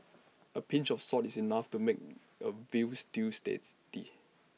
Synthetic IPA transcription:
əpʰĩnt͡ʃɔfsɔtisinaftumek̚ | əvististḛtsd̥i

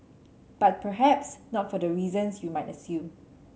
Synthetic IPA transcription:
b̥at̚pʰəɦɛpsnɔtfɔdəɹizə̃nsjumajtəsjũm

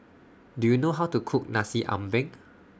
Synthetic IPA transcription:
dujunoɦawtukʰuk̚nasiʔã̰mbɛ̃ŋ

